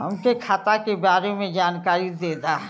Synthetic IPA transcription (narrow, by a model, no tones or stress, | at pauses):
ɦɐ̰mkekʰaːt̪akebaːɾemẽd͡ʒaːnkaːɾid̪eːd̪aː